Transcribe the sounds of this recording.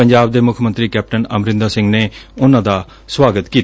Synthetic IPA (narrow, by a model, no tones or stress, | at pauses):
əɲd͡ʒaːbd̪eːmʊkʰmə̃nt̪ɾiːkɛːp̚ʈənəmɾɪ̃nd̪aːsɪ̃ŋɡneːʊnãːd̪aː | swaːɡət̪kiːt̪